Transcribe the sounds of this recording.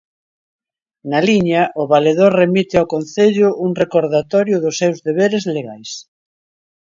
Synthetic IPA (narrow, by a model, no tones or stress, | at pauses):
naliɲaʔʊβaleðoɾremit̪ɪawkon̟θeʎʊʔuŋrekoɾðat̪ɔɾjʊðʊsːewzðeβeɾezleɣajs